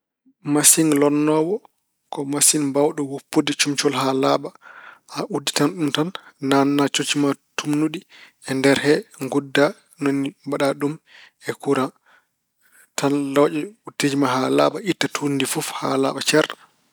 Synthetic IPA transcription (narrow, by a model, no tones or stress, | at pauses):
masinlɔnːɔwɔ | kɔmasinbawɗɔwupːodɛt͡ʃumt͡ʃɔlɦalaɓaaʔudːitanɗumtanːanːat͡ʃot͡ʃimatumnuɗi | ɛndɛɾhɛŋɡudːa | nonibaɗaɗum | ɛkuɾa | tanlɔd͡ʒɛutːed͡ʒimaɦala̰ɓaʔitːatʰundifufha̰la̰ɓat͡ʃaɾ